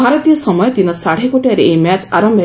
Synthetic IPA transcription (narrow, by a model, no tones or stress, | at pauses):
aɾɔt̪ijɔsɔmɔjɔt̪inɔsaɽ̤ekoʈiaɾeemat͡ʃaɾɔmbʱ